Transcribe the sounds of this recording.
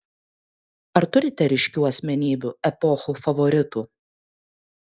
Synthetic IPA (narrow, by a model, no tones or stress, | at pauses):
ɐɾt̪ʊɾʲɪt̪ʲɛɾʲɪʃʲkʲuːɐsʲmʲɛnʲiːbʲuɛpɔxuːfɐʋɔɾʲɪt̪uː